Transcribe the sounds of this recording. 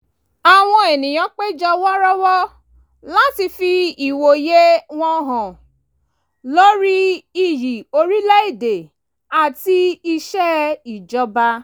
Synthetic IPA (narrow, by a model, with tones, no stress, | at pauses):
a˨w̃ɔ̃˧e˨nĩ˨j̃ã˨˦k͡pe˦d͡ʒɔ˧wɔ˦ɾɔ˦wɔ˦ | la˦ti˧fi˧i˨wo˨je˦w̃ɔ̃˦˧˦ɦɔ̃˨ | lo˦ɾi˦i˧˨ji˨o˧ɾi˦lɛ˦i˦˨de˨ | a˨ti˧i˧ʃɛ˦i˨d͡ʒɔ˧ba˧